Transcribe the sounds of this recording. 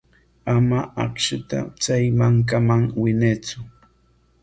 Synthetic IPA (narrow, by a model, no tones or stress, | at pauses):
amaɑkʃɪt̪a̰t͡sajmaŋkamaŋwɪneːt͡sʊ